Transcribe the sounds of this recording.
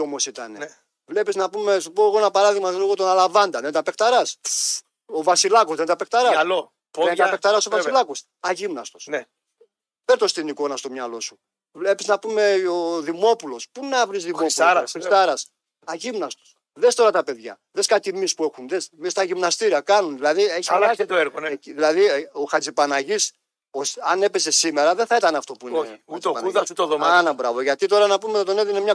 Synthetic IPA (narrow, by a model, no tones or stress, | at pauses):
o̞mo̞sit̪ɐne | vle̞piznɐpume̞supoeɣonɐpɐɾɐðiɣmɐiɣot̪onɐlɐvɐnd̪ɐðent̪ɐpe̞kt̪ɐɾɐs | ovɐsilɐkozðent̪ɐpe̞k̚t̪ɐɾɐslo | pent̪ɐpek̚t̪ɐɾɐsovɐsilɐkos | ɐʝimnɐst̪osn | peɾt̪o̞st̪iniko̞nɐst̪omɲɐlo̞su | vle̞piznɐpume̞oðimo̞pulo̞spunɐvɾizðimospuist̪ɐɾɐs | ɐʝimnɐst̪u̥s | ðe̞st̪o̞ɾɐt̪ɐpe̞ðʝɐ̰ | ðeskɐt̪imispue̞xunðesmist̪ɐʝimnɐst̪iɾiɐkɐnunðilɐðieçɐasit̪oeɾɣoneiðilɐðioxɐt͡sipɐnɐʝis | osɐne̞pe̞se̞simeɾɐðenθɐit̪ɐnɐft̪o̞puineut̪oɐuðɐit̪oðomɐnɐbɾɐvo̞ʝɐt̪it̪o̞ɾɐnɐpumet̪ɐt̪oneðinmɲɐ